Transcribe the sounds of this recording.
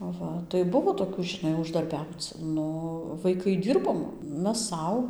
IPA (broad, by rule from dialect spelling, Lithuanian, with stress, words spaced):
ɐˈʋɐ tɐɪ ˈbʊʋoː toːˈkʲuː ʒʲɪˈnɐɪ ʊʒdɐrʲˈbʲɛʊt͡s ˈnʊ ʋɐɪˈkɐɪ ˈdʲɪrboːm ˈmʲɛs ˈsɐʊ